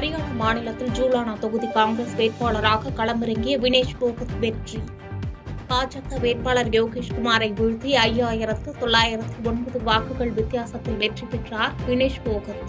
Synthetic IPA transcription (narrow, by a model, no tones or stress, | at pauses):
ɐɾɪjaːɳɐmaːnɪlɐt̪ːɪld͡ʒuːlaːɳat̪ɔɣɯðikaːŋɡɾesʋeːʈ̚paːɭɐɾaːɣɐkɐɭɐmbɪɾɐŋɡɪjɐʋɪneːʂboːɣɐt̪ʋɛɾʈri | paːd͡ʒɐt̪ːɐʋeːʈ̚paːɭɐɾɡɛʋɣɪʂkʊmaːɾɐɪʋʊɻʊðiɐjːaːjɪɾɐt̪ːɯt̪ɔɭːaːjɪɾɐt̪ːɯɔɳbɐðɯʋaːkːɯɣɐɭʋɪt̪ːɪjaːsɐt̪ːɪlʋɛʈripːɪʈraːɾʋɪneːʂpoːɣɐt̪